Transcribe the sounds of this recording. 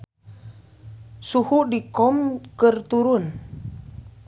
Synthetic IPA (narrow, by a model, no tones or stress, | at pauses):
suhuʔdikɔmkərt̪uɾun